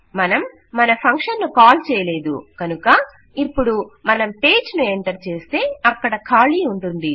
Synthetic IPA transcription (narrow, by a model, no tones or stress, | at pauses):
mɐnɐmː | ɐnɐpʰɐŋkʂɐnːukaːlt͡ʃɛːjɐle̞ːd̪ṵkɐnukɐ | ipːuɽumɐnɐmpe̞ːd͡ʒnueɳʈɐɾt͡ʃe̞ːst̪e̞ːɐkːɐɽɐkʰaːliːuɳʈund̪i